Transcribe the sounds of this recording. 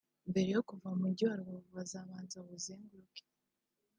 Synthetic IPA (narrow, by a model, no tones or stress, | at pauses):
mbe̞ɾe̞jo̞kuvamuɟoaɾwauβazaβaːnzaβuzeːŋɡuɾuke̥